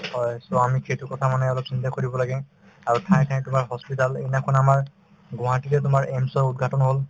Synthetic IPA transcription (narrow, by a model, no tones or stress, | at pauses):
hɔjsɔamikʰetukɔtʰamanɛɔlɔpsintakoɹibɔlaɡɛ | aɹutʰãjkʰanɛtʊmaɹɦɔspitalejnakʰɔnamaɹ | ɡʊ̃ɦãtilɛtʊmaɹemsɔɹud̚ɡʱatɔnɦol